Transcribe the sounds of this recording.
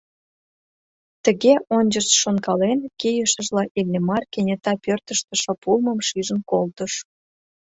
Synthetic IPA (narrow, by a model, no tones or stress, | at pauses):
t̪ə̆ɣeʔonʲd͡ʑərt͡sʃonkɑlenkejəʃəʒlɑʔilʲnemɑrkenʲet̪ɑpørt̪əʃt̪ə̆ʃŏpulməmʃiʒənkolt̪əʃ